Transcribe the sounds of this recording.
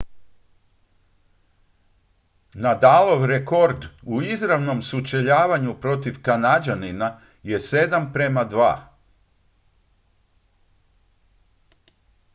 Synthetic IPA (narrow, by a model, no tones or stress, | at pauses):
nad̪aːlˠo̞ʋɾeko̞ɾd̪uizɾaʋno̞msut͡ʃeʎaːʋaɲupɾo̞t̪iʋkanad͡ʒanina | je̞se̞d̪ampɾe̞mad̪ʋa̰ː